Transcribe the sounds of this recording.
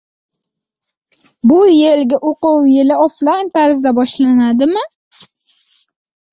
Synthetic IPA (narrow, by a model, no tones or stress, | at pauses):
bʊjelɡʲaʔoqʊwjelɪoflajnt̪ʰaɾɪzd̪abɒʃlanad̪ɪmɪ